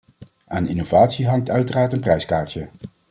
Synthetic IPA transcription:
aːnɪnov̥aːtsiɦɑŋk̚tœɥtəraːɹtənprɛjskaːɹtjə

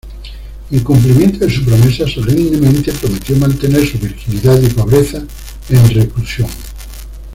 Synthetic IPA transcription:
eŋkumplimjent̪oðesupɾomesasereind̪emẽnt̪epɾomet̪jomãnt̪eneɾsuβiɾxiliðaðipoβɾeθa | enreklusjoŋ

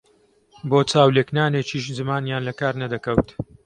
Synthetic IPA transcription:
boːt͡saːwleknaːneːt͡ʃiːʃzɨmaːnjaːnlɐkaːɾnɐd̪ɐkɐwt̪

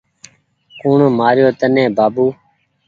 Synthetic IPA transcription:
kuːɳoːmaːɾjoːt̪ənẽːbaːbuː

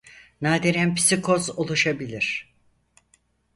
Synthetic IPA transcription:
naːd̪iɾænpʰi̥sikʰo̞zolˠuʃabilʲiɾ̥

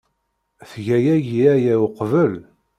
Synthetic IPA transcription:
θʝæjæʝiæjæwqvəl

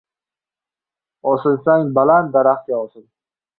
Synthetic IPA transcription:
ɒsɪlsaŋbalant̪̚d̪aɾaχt͡ʃaɒsɪl

